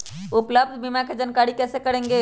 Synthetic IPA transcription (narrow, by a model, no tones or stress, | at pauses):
upləbd̪ʱbimaked͡ʒənkaɾikɛsekəɽẽŋɡe